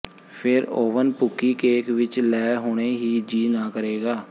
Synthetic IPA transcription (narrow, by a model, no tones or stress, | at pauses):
pʰɪɾoːʋənpʊkːiːkeːkʋɪt͡ʃlɛːɦoːɽ̃eːɦiːd͡ʒiːnãːkəɾeːɡaː